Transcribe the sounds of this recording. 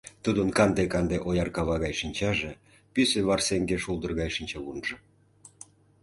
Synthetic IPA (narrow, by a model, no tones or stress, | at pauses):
t̪ud̪ənkɑnd̪ekɑnd̪eʔojɑrkɑβɑɣɑjʃinʲt͡ɕɑʒe | pyseβɑrseŋɡeʃulˠd̪ə̆rɣɑjʃinʲt͡ɕɑβunʒɤ̆